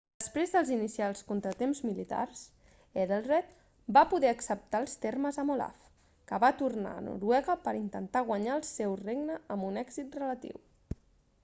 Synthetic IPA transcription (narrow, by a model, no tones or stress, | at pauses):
d̪əspɾezðəlˠzinisialˠskont̪ɾət̪emzmilit̪a̰rs | eðelˠrɛt̪̚ | bapuðɛəksəp̚t̪aːlˠst̪erməzəmola̰f | kəβat̪urna̰ə̰nṵɾwɛɣəpəɾint̪ənt̪aɣ̞waəɲaəlˠsɛwreɡnəːmbunɛɡzit̪rələt̪ḭw